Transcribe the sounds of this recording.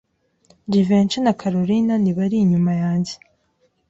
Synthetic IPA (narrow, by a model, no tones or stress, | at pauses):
divent͡ʃenakʰaɾoɾinaniβaɾiːɲumajaːɲɟe